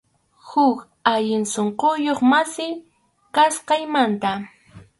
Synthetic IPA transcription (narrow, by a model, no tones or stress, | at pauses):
hʊk | aʎɪnsoɴqojoχmasɪ | kasqɑjmant̪a